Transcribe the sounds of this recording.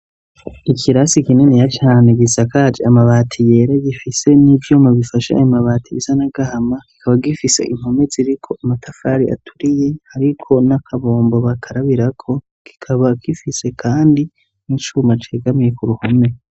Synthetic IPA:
ikʰiɾasikinenejat͡ʃaːneɡisakaːd͡ʒeamaβaːtʰije̞ːɾeɡifise̞nivjomaβifaʃa̰a̰jomaβaːtʰiβizanaɡ̥ahamaki̥kʰaβaɡifise̞̰ʔin̥home̞ziɾikʰo̞ʔamatʰafaːɾia̰tʰuɾije̞haɾikʰo̞nakʰaβo̞ːmbo̞βakʰaɾaβiɾakʰo̞ | ki̥kʰaβakifise̞kʰaːndi | nit͡ʃumat͡ʃe̞ːɡamije̞kuɾuhome̞

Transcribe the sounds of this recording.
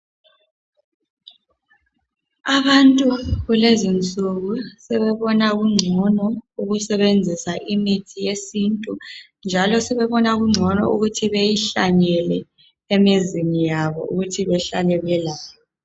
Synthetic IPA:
aβantʼuɣulezint͡sʼuɣusɛβɛβɔnaɣuŋ͡ǀʱɔnɔuɣusɛβend͡zʱisaʔimitʰijesintʼu | nd͡ʒʱalɔsɛβɛβɔnaɣuŋ͡ǀʱɔnɔ̰uɣutʰiβejiɬaɲɛlɛ | emizinijaβɔ̰ʔṵɣutʰiβɛɬalɛβɛlaːjɔ

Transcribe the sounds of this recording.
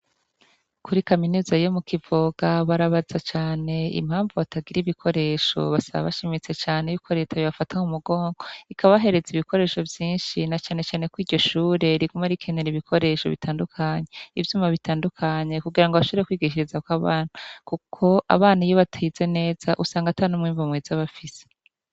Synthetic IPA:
kʰuɾikaminuːzajomukʰivoɡ̥aβaɾaβazat͡ʃaːne̞ḭmhaːɱvuβataɡiɾiβikʰo̞ɾe̞ʃo̞̰βasaβa̰βa̰ʃimit͡se̞t͡ʃaːnejukʰoɾetʰaβiβafataŋumuɡo̞ːŋɡo̞ikʰaβaβɦe̞ɾe̞ziβikʰo̞ɾe̞ːʃo̞vjiːnʃinat͡ʃaːne̞t͡ʃaːne̞kwiːɾɟo̞ʃuːɾe̞ɾiɡumaɾikʰeneɾiβikʰo̞ɾe̞ʃo̞̰βḭtaːndukʰaɲeivjuːmaβitaːndukʰaɲe̞kuɡiɾaŋɡoβaʃuɾekwiːɡiʃ̬iɾizakwaβaːnakukʰo̞ʔa̰βaːnajoβatʰaize̞ne̞ːz̥aʔusaːŋɡatanumŋiːɱvamweːzaβafise̥

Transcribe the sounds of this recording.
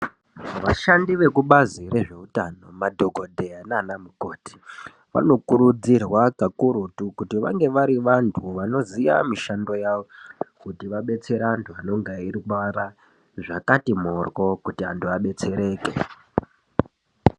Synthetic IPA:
ʋaʃandiʋe̞kuɓazire̞ʐe̞utano̞̰madʱo̞ɡʱo̞dʱeanaːnamuko̞ːti̥ | ʋa̰no̞kuɾud͡zirwakakuɾutukutiʋa̰ŋɡe̞ʋaɾiʋantʰuʋano̞zija̰miʃando̞jaʋo̞kutiʋaɓe̞t͡se̞ɾaantʰuano̞ŋɡaiɾikaɾa | ʐakatimorwo̞kutia̰ntʰuaɓe̞t͡se̞ɾe̞ːkḛ

